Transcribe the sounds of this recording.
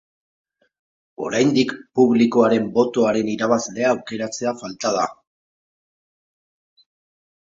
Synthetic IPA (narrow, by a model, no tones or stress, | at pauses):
o̞̰ɾajnd̪ikpuβliko̞aɾe̞mbo̞t̪o̞aɾe̞niɾaβ̞azle̞aːwke̞ɾat͡se̞afalt̪að̞a